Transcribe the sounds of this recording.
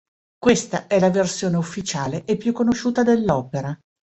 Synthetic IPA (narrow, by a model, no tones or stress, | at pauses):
kwest̪aɛlaversjoːneufːit͡ʃaːleʔepːjukːonoʃuːt̪ad̪elːɔːpeɾa